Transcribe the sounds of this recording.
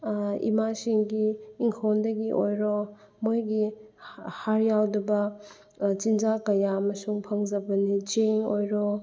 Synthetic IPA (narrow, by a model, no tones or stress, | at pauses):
ḭmasiŋɡiːŋkʰondɐɡiʔojɾɔ | mojɡi | haɾjawdubɐ | t͡ʃinzakɐjaɐmɐsuŋpʰɐŋzɐbɐnit͡ʃeŋojɾɔ